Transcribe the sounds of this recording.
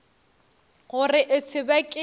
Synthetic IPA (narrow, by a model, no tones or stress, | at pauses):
ɣʊrɪʔɪt͡sʰɪbakʼɪ